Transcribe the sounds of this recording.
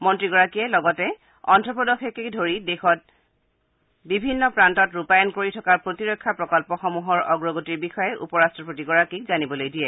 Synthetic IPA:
mɔntɹiɡɔɹakiɛlɔɡɔtɛ | ɔ̰ntɹɔpɔdɔxʰɛkekdʱoɹidexɔt̚ | bibʱinːɔpɹantɔtɹupajɔnkoɹitʰɔkaɹpɹotiɹɔjkʰːapɹɔkɔlpɔxɔmuɦɔɹɔɡɹɔɡotiɹbixɔjɛʔṵpɔɹastɹɔpotiɡɔɹakik̚zanibɔlojdiɛ

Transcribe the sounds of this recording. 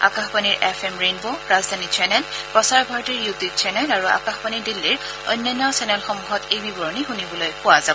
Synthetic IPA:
a̰kaxpaniɹʔɛpʰɛmɹenbɔɹazdʱanit͡ʃʰɛnɛlpɹɔsaɹbʱaɹɔtiɹjudik̚t͡ʃʰɛnɛlaɹua̰kaxpanidilːiɹ | ɔ̰jnːɔnːɔsɛnɛlxɔmuɦɔtejbibɔɹɔnixunibɔlojkʊwazabɔ

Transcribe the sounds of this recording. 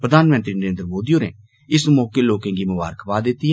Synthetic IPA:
pɾəd̪ʱaːnmə̃nt̪ɾiːnəɾẽːnd̪ɾmoːd̪ijõːnḛː | ɪsmɔːkeloːkɛ̃ːɡiːmʊʋa̰ːɾəkʰpaːd̪ɪt̪ːiɦɛː

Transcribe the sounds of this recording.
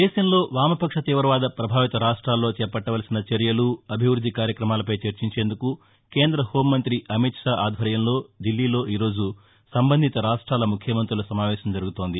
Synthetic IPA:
d̪ɛːʃɐmlo̞ːʋaːmɐpɐkʂɐt̪iːʋɐɾɐʋaːd̪ɐpɾɐbʱaːʋit̪ɐɾaːʂʈɾaːlːo̞ːt͡ʃɛːpɐʈːɐʋɐlɐsinɐt͡ʃeɾjɐluɐbʱiʋɾud̪ʱːikaːɾjɐkɾɐmaːlɐpɐjt͡ʃeɾt͡ʃiɲt͡ʃe̞ːnd̪uku | ke̞ːnd̪ɾɐho̞ːmːɐnt̪ɾiʔɐmit̪ʂaːaːd̪ʱɐɾjɐmlo̞ːɖ̪ilːiːlo̞ːʔiːɾo̞ːd͡ʒu | sɐmbɐnd̪ʱit̪ɐɾaːʂʈɾaːlɐmukʰjɐmɐnt̪ɾulɐsɐmaːʋɛːʃɐmd͡ʒɐɾuɡut̪o̞ːnd̪i

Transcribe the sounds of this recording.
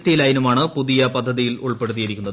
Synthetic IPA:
tːɐjilaːjinumaːɳɨpuðijɐpɐd̪ʱːɐðijiluɭpe̞ɽut̪̬ːijɐɾikʲːunːɐðɨ

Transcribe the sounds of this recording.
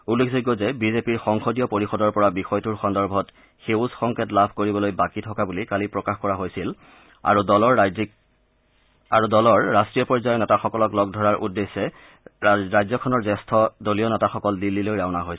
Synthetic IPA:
ulːekʰzik̬ɔzɛbizepiɹxɔŋxodijɔpoɹixɔdɔɹpɔɹabixɔjtuɹxɔndɔɹbʱɔt | xeʊsxɔŋkʰetlabʱkoɹibɔlojbakitʰɔkabulikalipɹɔkaxkɔɹaɦojsil | a̰ɹudɔlɔɹz | aɹudɔlɔɹːastɹijɔpɔɹzajɔnɛtaxɔkɔlɔklɔɡ̚dʱɔɹaɹʔudːesːɛ | ɹajzɔkʰɔnɔɹzɛstʰɔdolijɔnɛtaxɔkɔldilːilojɹaʊnaɦoj

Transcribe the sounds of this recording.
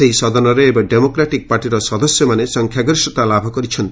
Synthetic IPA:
seɦisɔd̪ɔnɔɾeːbaɖemokɾaʈik̚paɾʈiɾɔsɔd̪ɔsjɔmanesɔŋkʰjaɡɾiʃɔt̪alabʱɔkɔɾit͡ʃʰɔnt̪i

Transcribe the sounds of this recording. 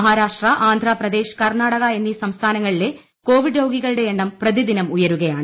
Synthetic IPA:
ɦaːɾaːʂʈrɐʔaːnd̪ʱraːprɐd̪e̞ːɕkɐrnaːɽɐɣɐenːisɐmst̪ʰaːnɐŋːɐɭile̞ | ko̞ːʋiɖɾowɡiɣɐɭɨɽe̞eɳɖɐmprɐd̪id̪inɐmujɐɾuɣɐjaːɳɨ

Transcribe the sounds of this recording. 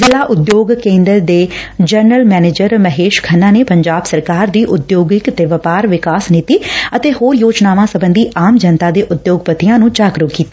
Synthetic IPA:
zɪlaːʔʊd̪joːɡkẽːnd̪əɾd̪eːd͡ʒəɾnəlmɛːneːd͡ʒəɾməɦeːʃkʰənːãːneːpəɲd͡ʒaːbsəɾkaːɾd̪iːʔʊd̪joːɡɪkt̪eːʋəpaːɾʋɪkaːsnɪt̪iːət̪eːhoːɾjoːd͡ʒnaːʋãːsəbə̃nd̪iːʔaːmd͡ʒənt̪aːd̪eːʔʊd̪joːɡpət̪ɪjãːnũːt͡ʃaːkɾʊːkiːt̪aː

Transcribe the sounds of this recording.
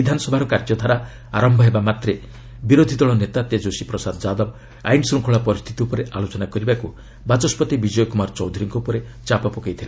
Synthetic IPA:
bid̪ʱanɔsɔbʱaɾɔkaɾd͡ʒɔd̪ʱaɾa | aɾɔmbʱɔɦebamat̪ɾe | biɾod̪ʱid̪ɔɭɔnet̪at̪ed͡ʒosipɾɔsad̪ɔd͡ʒad̪ɔb | a̰jnsɾuŋkʰɔɭapɔɾist̪ʰit̪iupɔɾeʔalot͡ʃɔnakɔɾibaku | bat͡ʃɔspɔt̪ibid͡ʒɔjɔkumaɾt͡ʃɔwd̪ʱuɾiŋkupɔɾe | t͡ʃapɔpɔkajt̪ʰile

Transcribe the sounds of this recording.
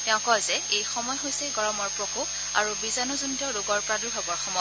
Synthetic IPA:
tɛʊ̃kɔjzɛejxɔmɔjɦojsɛɡɔɹɔmɔɹpɹɔkok | a̰ɹubizanuzuntɔɹuɡɔɹpɹadubʱabɔɹxɔmɔj

